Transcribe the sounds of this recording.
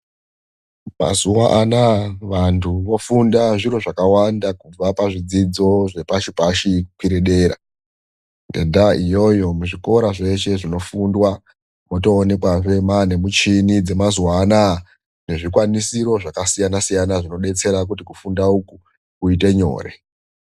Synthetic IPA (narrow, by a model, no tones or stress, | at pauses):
ma̰zuwaʔanaʋantʰuʋo̞fundaʐiɾo̞ʐakawandakub͡vapaʐid͡zid͡zo̞ʐe̞paʃipaʃikwiɾeɗe̞ːɾa̰ | nde̞̰ndaijo̞jo̞muʐiko̞ɾaʐe̞ʃe̞ʐino̞fundwa | moto̞ːne̞kwaʐe̞mane̞mut͡ʃinid͡ze̞mazuwaːna | ne̞ʐikwanisiɾo̞ʐakasijanasijanaʐino̞ɗe̞t͡se̞ɾak̬ut̬ikufundauku | kuite̞ɲo̞̰ːre̞̰